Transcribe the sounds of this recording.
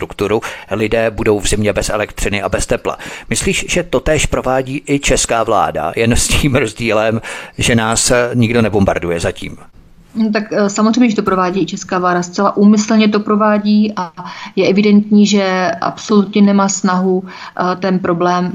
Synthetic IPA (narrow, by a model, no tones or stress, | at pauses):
t̪ɾukt̪uɾulɪdɛːbudo̞wvzɪmɲɛbɛsʔɛlɛkt̪r̝̥ɪnɪʔabɛst̪ɛpla̰mɪsliːʃʒ̥ɛt̪o̞t̪ɛːʃpɾo̞vaːɟiːʔɪt͡ʃɛskaːvla̰ːda̰jɛnsciːmɾo̞zɟiːlɛmʒɛnaːsɲɪɡdo̞nɛbomba̰ɾdujɛzacḭːm | not̪aksamozr̝ejmɲɛʒɛt̪opɾo̞vaːɟiːɪt͡ʃɛskaːvlaːdast̪t͡sɛlaʔuːmɪsl̩ɲɛt̪o̞pɾo̞vaːɟiːʔajɛʔɛvɪdɛnt̪ɲiːʒɛʔa̰pso̞lut̪ɲɛnɛmaːsnaɦu | t̪ɛnpɾo̞blɛːm